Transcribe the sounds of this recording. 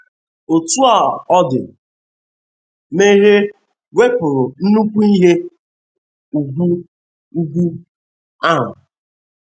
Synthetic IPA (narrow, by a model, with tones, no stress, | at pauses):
o˨tu˦a˨ɔ˦dɪ̰˨ | me˦ɦe˦ | we˦pʊ˨ɾʊ˨n̩˦nu˦kʷu˦i˦ɦe˦ | u˨ɡu˦ | u˦ɡʷu˦ | a˦˨ɦʊ˨